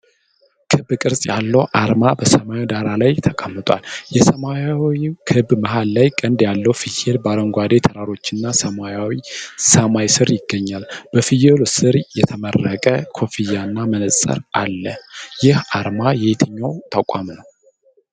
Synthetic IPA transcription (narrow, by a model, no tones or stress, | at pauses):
kʰɨbkʼɨɾsʼjalːəwʔaɾmabəsəmajd̪aɾalajt̪ʰəkʼamːɨt̪ʼwa̰ljɛsəmajawikʰɨbməɦalːajkʼənd̪jalːəwfɨjelbaɾəŋɡʷad̪e̞t̪ʰəɾaɾo̞t͡ʃːɪnːasəmajawisəmajsɨɾjɪɡːəɲːalbəfijelosɨɾjɛt̪ʰəmərːəkʼəkʰo̞fijanːamənəsʼə̰ɾʔalːəjɪhaɾmajɛhet̪ʰɨɲːawt̪ʰakʷʼamnəw